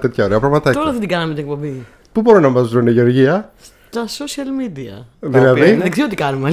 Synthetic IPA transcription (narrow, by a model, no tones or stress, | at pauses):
t̪et̪çɐo̞ɾeɐpɾɐɣmɐt̪ɐt̪oɾɐðed̪iɡɐnɐmet̪inekpo̞mbi | pubo̞ɾinɐmɐzðɾoneʝeoɾʝiɐs | t̪ɐsosiɐlmid̪iɐ̰ðilɐðiiðiksiot̪ikɐnume